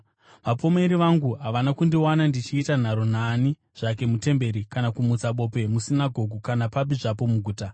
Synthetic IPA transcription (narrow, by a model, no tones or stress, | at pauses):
ʋapo̞meɾiʋaŋɡuɦaʋanakundiwanandit͡ʃiːtan̤aɾo̞naːni | ʐ̥ake̞mute̞mbe̞ɾikanakumut͡saɓo̞ːpe̞musinaɡʱo̞ɡʱukanapap̬iʐapo̞muɡʱuːta